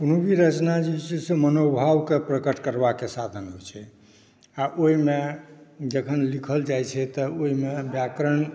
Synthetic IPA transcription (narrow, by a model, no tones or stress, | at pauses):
konobʱiɾət͡ʃnad͡ʒet͡ʃʰisemənobʱawkepɾəkəʈkəɾbakesad̪ʱənɦo̰jt͡ʃʰɛ | aʔoɦimed͡ʒəkʰənlikʰəld͡ʒajt͡ʃʰɛt̪əoɦimebjakɾəɳ